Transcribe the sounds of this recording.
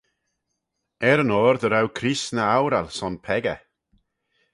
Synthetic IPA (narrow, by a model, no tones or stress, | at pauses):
ɛɾənɔːɾd̪əɾawkʰɾisnəawɾalsɔnpʰɛɡə̰